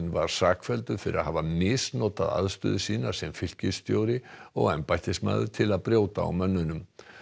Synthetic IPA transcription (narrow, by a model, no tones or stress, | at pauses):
nvaɾ̥saːkfɛlt̪ʏfɪɾɪɾaðɦaːvamɪsnɔːt̪aða̰ðst̪ʏːðʏsiːnaɾ̥sɛmfɪl̥cɪst̪joːwɾɪɔɣɛmpajht̪ɪst̪ma̰ːðʏɾ̥t̪ʰɪlaðpɾjoːwt̪aa̰wmœnːʏnʏm